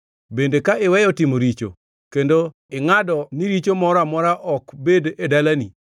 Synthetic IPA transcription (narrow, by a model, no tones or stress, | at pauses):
bendekaɪwɛjɔtɪmoɾit͡ʃo̰ | kendo | ɪŋadɔniɾit͡ʃomɔɾamɔɾaʔɔkbededalani